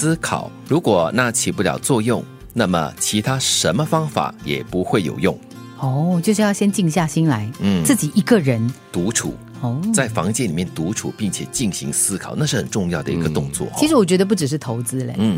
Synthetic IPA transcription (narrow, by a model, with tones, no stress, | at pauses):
sɹ̩˥kʰɑ̰˨˩ʊɻu˧˥kwɔ˨˩na˥˩t͡ɕʰi˨˩pu˥˩ljɑ̰˨˩ʊt͡swɔ˥˧jʊ˥˩ŋ | na˥˩mə̰˩t͡ɕʰi˧˥t̪ʰa˥ʂə˧˥nmə˧fɑ˥ŋfa̰˨˩˦jɛ̰˨˩pu˧˥xwe˥˩ɪjo̰˨˩ʊjʊ˥˩ŋ | ɔ˥˩t͡ɕjo˥˧ʂɻ̩˥˧jɑ˥˧ʊɕjɛ˥nt͡ɕi˥˧ŋɕja˥˩ɕi˥nla˧˦˥ɪn̩˥˩t͡s̩˥˩t͡ɕi˨˩ʔi˧˥ɡə˧ɻə˧˥nt̪u˧˥ʈ͡ʂʰṵ˨˩˦ | t͡sa˥˩ɪfɑ˧˥ŋt͡ɕjɛ˥˩nli˨˩mjɛ˥˩nt̪u˧˥ʈ͡ʂʰu˨˩pi˥˩ŋt͡ɕʰjɛ˨˩t͡ɕi˥˩ŋɕḭ˧˥ŋsɹ̩˥kʰɑ˨˩ʊna˥˧ʂɻ̩˥˩xə˨˩nʈ͡ʂʊ˥˧ŋjɑ˥˩ʊd̪ə˩ḭ˧˥ɡə˧˥t̪ʊ˥˧ŋt͡swɔ̰˥˩˦i˧˥ʂɻ̩˧˥wɔ˨˩t͡ɕɥɛ˧˥d̪ə˧p̬u˥˩ʈ͡ʂɻ̩˨˩ʂ̬̩˥˩t̪ʰo˧˥ʊt͡sɹ̩˥lɛ̰˨n̩˥˩